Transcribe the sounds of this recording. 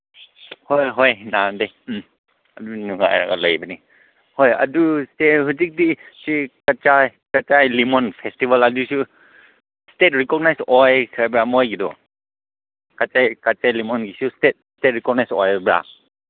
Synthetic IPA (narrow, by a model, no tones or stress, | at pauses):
hɔjɦɔjnade | ɐdunuŋa̰jɾa̰ɡa̰ləjbani | hɔjɐ̰dustehusik̚disikat͡ʃajkat͡ʃajlimɔnpʰestibalɐdusu | stet̚ɾikɔɡ̚najsɔjkʰabɾamɔjɡidɔ̰ | kat͡ʃajkat͡ʃajlimɔnɡisustet̚stet̚ɾikɔɡ̚najsɔ̰jbɾa̰